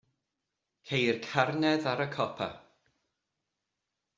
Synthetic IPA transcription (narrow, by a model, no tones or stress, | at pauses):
kʰejrkʰarnɛðaɾəkʰɔpʰa̰